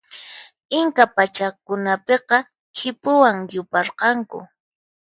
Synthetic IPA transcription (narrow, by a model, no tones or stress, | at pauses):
ɪŋkapat͡ʃakʊnapeqɑ | kʰɪpʊwaŋjʊpɑɾqɑŋkʊ̰